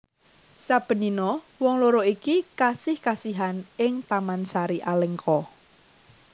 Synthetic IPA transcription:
sab̥ə̤ninɔ | wɔŋloɾoikikasɪhkasiɦanɪŋt̪amansaɾiʔalɛŋkʰɔ

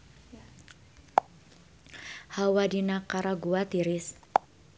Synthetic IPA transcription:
hawadinakaɾaɡuat̪iɾɪs

